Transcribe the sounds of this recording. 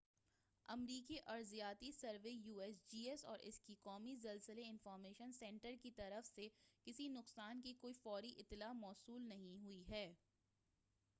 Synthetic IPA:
ɐmɾiːkiʔɐɾzijaːt̪isɐɾʋejuːɛsd͡ʒiːɛsɔːɾʔɪ̰skikɔːmizɐlsəleɪ̃nfɔːɾmeːʃənsɛ̃ːɳʈəɾkit̪ɐɾəfsekɪsinʊqsaːnkikoːifɔːɾiʔɪt̪ːɪlaːmɔːsuːlnɐɦĩɦʊiɦɛː

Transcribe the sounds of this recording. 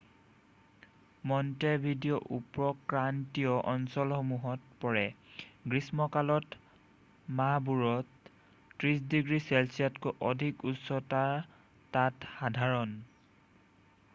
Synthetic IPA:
mɔntebʱidijɔʔupɹɔkɹantijɔʔɔnsɔlxomuɦɔt̚pɔɹɛɡɹismɔkalɔt | mabuɹɔtː | ɹisdiɡɹisɛlsijatkɔʔɔdʱikutsɔtaɹ | tatxadʱaɹɔn

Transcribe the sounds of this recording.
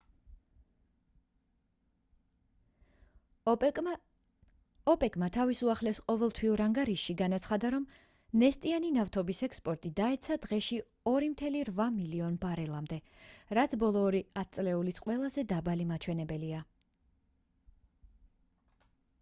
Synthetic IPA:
ɔpʼɛkʼmat̪ʰavisuaχlɛsqʼɔvɛlˠt̪ʰwiɔɾaŋɡaɾiʃːiɡanat̪sʰχad̪aɾɔm | nɛst̪ʼianinaft̪ʰɔbisɛkspʼɔɾt̪ʼid̪aɛt̪sʰad̪̥ʁɛʃi | ɔɾimt̪ʰɛliɾvamiliɔnbaɾɛlˠamd̪ɛ | ɾat̪sʰbɔlˠɔːɾiat̪̚ʰt̪sʼlɛulit̪sʰqʼwɛlˠazɛd̪abalimat͡ʃʰwɛnɛbɛlia

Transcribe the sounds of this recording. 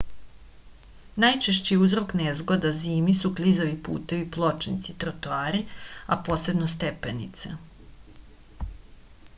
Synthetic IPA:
najt͡ʃeʃt͡ɕijeuzɾo̞knezɡod̪aziːmisuklizaʋipṵːt̪e̞ʋiplˠo̞t͡ʃnḭt̪sit̪ɾot̪oaːɾiapo̞ːse̞bnos̬t̪epenḭt̪se

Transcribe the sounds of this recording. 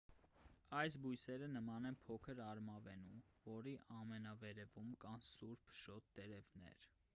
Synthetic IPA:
ɑjs̬bujsɛɾənəmɑnɛnpʰɔkʰəɾɑɾmɑvɛnumvɔɾiʔɑmɛnɑvɛɾɛvumkɑnsuɾpʰʃɔt̪ːɛɾɛvnɛ̰ɾ

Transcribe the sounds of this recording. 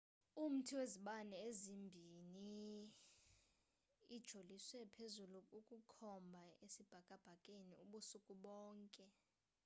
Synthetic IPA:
um̩tʰiweziɓanɛezimbʱini | id̥ʒ̥ʱoliswɛpʰezuluukʼukʰɔmbʱaesib̥ʱakʼab̥ʱakʼeniuɓusukʼuɓɔːŋkʼɛ

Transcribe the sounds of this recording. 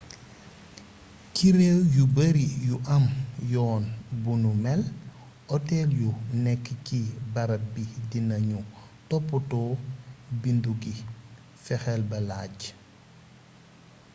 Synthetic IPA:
kiɾewjubəɾijuʔɐmjɔːnbunumɛl | ʔɔtɛljunɛkːkibɐɾɐbidinɐɲu | tɔpːutɔ | binduɡi | fɛxɛlbɐlaːɟ

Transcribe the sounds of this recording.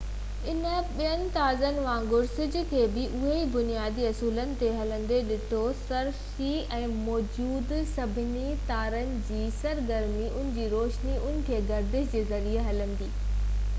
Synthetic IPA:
ɪnə̆ɓijənɪ̆t̪aːzənɪ̆ʋãːŋɡʊɾsɪd͡ʑʊ̆kʰeːbɪʔʊɦeibʊnijaːd̪iɐsuːlənɪ̆t̪eɦɐlə̃n̆d̪eɗɪt̪ʰosɐɾsiɛ̃ːmɔːd͡ʑuːd̪sɐbʱɪnit̪aːɾənɪ̆d͡ʑiːsɐɾɡəɾmiʊnɪ̃̆d͡ʑiːɾoːʃniʊnɪ̆kʰeːɡɐɾd̪ɪʃd͡ʑeːzɐɾieɦɐlə̃nd̪iː

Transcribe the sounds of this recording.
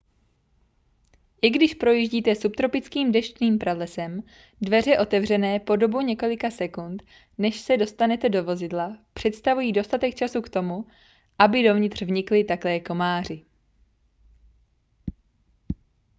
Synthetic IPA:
jɪɡdɪʃpɾo̞jiʒɟiːt̪ɛsupt̪ɾo̞pɪt͡skiːmdɛʃtniːmpɾalɛsɛm | dvɛr̝ɛʔo̞t̪ɛvr̝ɛnɛːpo̞do̞buɲɛko̞lɪkasɛkunt̪ | nɛʃsɛdo̞st̪anɛt̪ɛdo̞vo̞zɪdlapr̥ɛt̪st̪avujiːdo̞st̪at̪ɛk̚t͡ʃasukt̪o̞mu | ʔabɪdo̞vɲɪt̪r̝̥vɲɪklɪt̪aklɛːko̞maːr̝ɪ

